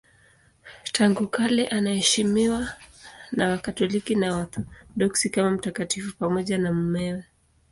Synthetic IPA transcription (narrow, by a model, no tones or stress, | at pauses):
tʰaŋɡukalɛʔanahɛʃimiwanawakatɔlikinawatɗɔksikamam̩takatifupamɔʄanam̩mɛwɛ